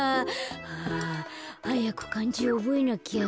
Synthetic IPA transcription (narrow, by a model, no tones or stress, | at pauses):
a | hajako̥kãɲd͡ʑiooboinakʲia